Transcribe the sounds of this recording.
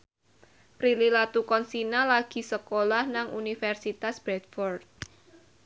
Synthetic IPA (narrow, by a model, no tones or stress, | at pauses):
pɾililat̪ukɔnsinalaɡ̥i̤səkolahnaŋunifɛrsit̪asb̥ɾɛt̪̚fɔrd̪̚